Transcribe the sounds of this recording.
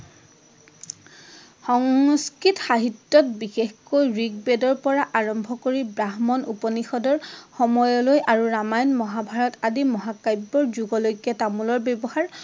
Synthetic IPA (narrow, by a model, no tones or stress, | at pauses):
xɔŋskɹitxaɦitːɔtbixexkojɹiɡ̚bedɔɹpɔɹaʔaɹɔmbʱɔkoɹibɹaɦmɔnṵpɔnixɔdɔɹxɔmɔjɔlojʔaɹuɹamajnmɔɦabʱaɹɔtadimɔɦakajbːɔɹzuɡɔlojɡatamulɔɹbebɔhaɹ